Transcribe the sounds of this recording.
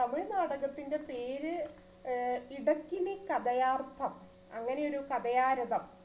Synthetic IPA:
ɐmːiɭnaːɽɐɣɐt̪ːinde̞pe̞ːɾɨ | iɽɐkʲːinikɐd̪ɐjaːrt̪ʰɐm | ɐŋːɐne̞jo̞ɾukɐd̪ɐjaːɾɐðɐm

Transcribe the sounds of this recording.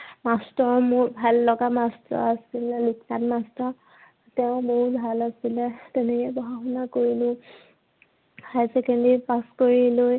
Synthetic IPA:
mastɔɹmʊɹbʱalːɔɡamastɔ̰ɹasilluknatmastɔ | tɛʊ̃boɦut̚bʱalasilɛtɛnɛkɛbɔɦaɦɔnakoɹilʊ̃ | ajsɛkɛndipaskoɹiloj

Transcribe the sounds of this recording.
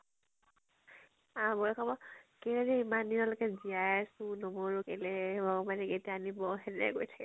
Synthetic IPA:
ãbɔɹɛkʰɔbɔkelɛzɛimanːiɔlɔkɛziajasunɔmɔɹukelɛbɔmanɛketiaanibɔɦɛnɛa̰ɡojtʰḁkɛ

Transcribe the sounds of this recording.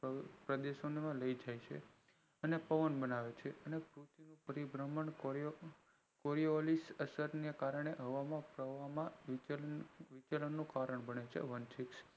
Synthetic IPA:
pɾəd̪eʃonemãləid͡ʒajt͡ʃʰḛ | ənepəʋənbənaʋet͡ʃʰeənepɾut̪inũpəɾibɾəməɳ | koɾiolisəsəɾnekaɾəɳ̃eɦəʋamãpɾəʋamã | ʋit͡ʃələnːũkaɾəɳbəɳet͡ʃʰḛʋənsiks

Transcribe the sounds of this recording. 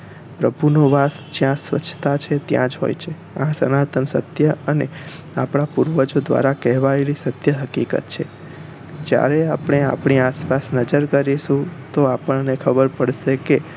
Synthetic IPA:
pɾəbʱunoʋat̪sd͡ʒjãsʋə̰t͡ʃʰːt̪at͡ʃʰet̪jã̰d͡ʒɦo̰jt͡ʃʰe | ãsənat̪ʰənsə̰t̪jəəne | apɳ̃apuɾʋəd͡ʒod̪ʋa̰ɾakɛɦʋaelisət̪jəɦəkikə̰t̪t͡ʃʰḛ | d͡ʒja̰ɾeapɳ̃ea̰pɳ̃iaspasnəd͡ʒəɾkəɾiʃũt̪oapəɳnekʰəbəɾpəɽʃeke

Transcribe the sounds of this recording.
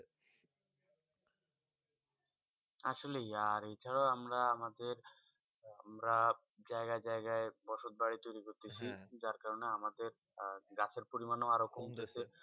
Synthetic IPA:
a̰ʃolejaɾejt͡ɕʰaɽaamɾaamad̪eɾ | amɾa | d͡ʑaeɡad͡ʑaeɡaebɔʃot̪̚baɽit̪ojɾikoɾt̪et͡ɕʰid͡ʑaɾkaɾoneamad̪eɾ | ɡat͡ɕʰeɾpoɾimanoaɾokʰɔmt̪et͡ɕʰe

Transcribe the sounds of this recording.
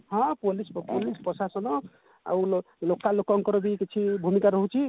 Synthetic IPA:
ɦʌ̃polisppolispɔsasʌnɔ | a̰ulo | lokːalokːʌŋkʌɾbiket͡sʰibʱumikaɾɔɦũt͡sʰi

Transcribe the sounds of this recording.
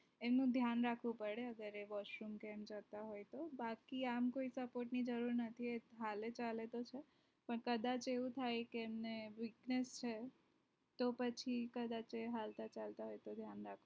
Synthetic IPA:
emnũd̪ʱjanɾakʰʋũpəɽeəɡəɾeʋɔʃɾumkɛmd͡ʒət̪aɦojt̪obakiamkoisəpoʈnid͡ʒəɾuɾnət̪ʰieɦalet͡ʃalet̪ot͡ʃʰe | pəɳkəd̪at͡ʃeʋũt̪ʰajkeːmneʋiknest͡ʃʰe | t̪opət͡ʃʰikəd̪at͡ʃeɦalt̪at͡ʃalt̪aɦojt̪od̪ʱjanɾakʰu

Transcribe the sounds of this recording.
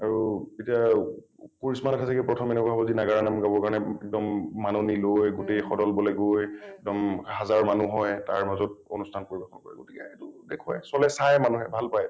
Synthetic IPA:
aɹuetija | koɹismanatʰasɛkɛpɹɔtʰɔmɛnɛkaɦɔbɔzinaɡaɹanamɡabɔɹkaɹɔnɛɛk̚dɔmːanunilojɡotejxɔdɔlbɔlɛɡojɛk̚dɔmhazaɹmanuɦɔjta̰ɹmazɔt̚o̰nustʰankoɹibaxʰɔnkoɹɛ̰ɡotikaetudekʰajsɔlɛsajmanuɦɛbʱalpaj

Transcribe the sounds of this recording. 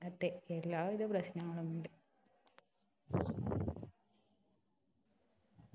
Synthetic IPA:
ɐt̪ːeelːaːʋiðɐprɐɕnɐŋːɐɭumuɳɖɨ

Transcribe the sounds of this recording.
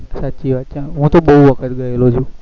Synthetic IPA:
sat̪ːt͡ʃiʋat̪̚t͡ʃʰãɦũt̪oɓəɦuʋəkʰət̪ɡəelot͡ʃʰũː

